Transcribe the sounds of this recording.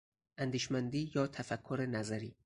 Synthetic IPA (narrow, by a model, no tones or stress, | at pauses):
ʔænd̪iːʃmænd̪iːjɒːt̪ʰæfækʰːoɾenæzæɾiː